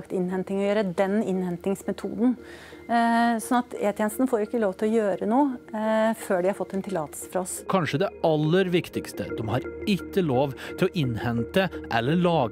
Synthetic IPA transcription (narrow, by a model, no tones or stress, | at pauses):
kt̪ɪnːhɛnt̪ɪŋɔjøːɾəd̪ɛnɪnhɛnt̪ɪŋsmɛt̪ʰṵːd̪n̩ | sɔnɑt̪eːt̪ʰjɛːnəst̪nəfoːɾɪkːəloːʋt̪ʰɪlɔjøːɾənuːəføːɖɪhɑɾfɔt̪ːɛnt̪ʰɪlɑ̰ːt̪əlsə̥fɾɔskʰɑnʂəd̪ɛɑlːəɾʋɪkt̪ɪkst̪ə̰d̪ɛmhɑɾɪkːəloːʋt̪ʰɪlɔʔɪnhɛnt̪əʔɛlːəɭɑː